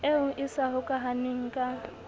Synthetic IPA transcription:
eʊʔɪsaɦʊkʼaɦanɪŋ̩kʼa

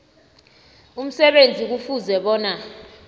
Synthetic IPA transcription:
um̩sɛɓend͡zʱik̬ufuzɛɓɔːna

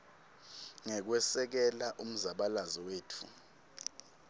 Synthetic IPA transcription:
ŋɛk̬wɛsɛk̬ɛlaʔum̩zaɓalazɔweːtʰṵ

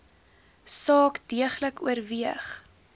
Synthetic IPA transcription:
sɑːkdiəχləkuərviəχ

